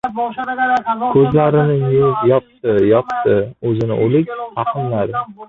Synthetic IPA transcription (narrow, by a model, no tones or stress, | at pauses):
kʰɵzlaɾɪnɪʊzjɒp̚t̪ɪjɒpt̪ɪɵzɪnɪ̰ʔolɪkʲh̪ʰɑqʰɨmlaɾɪ